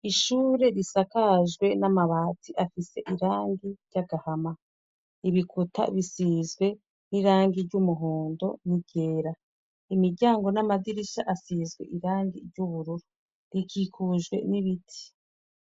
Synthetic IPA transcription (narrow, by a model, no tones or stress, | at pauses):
iʃuːɾe̞ɾisakaʒɡwe̞namaβaːtʰiʔafise̞ʔiɾaːŋɡiɾɟaɡahama | iβikʰuta̰βisiːzɡwe̞ | niɾaːŋɡiɾɟumuɦo̞ːndo̞̰niɟ̥e̞ːɾa | imiɾɟaːŋɡo̞namadiɾiʃaʔasiːzɡwe̞̰ʔiɾaːŋɡiɾɟuβuɾuɾo | ɾikikʰuʒɡwe̞̰niβitʰi̥